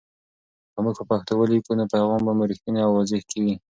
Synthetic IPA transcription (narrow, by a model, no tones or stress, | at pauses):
kəmuɡpəpaxt̪awəlikunapaɣɑmbamɾixt̪ineawːɑzɪhkawi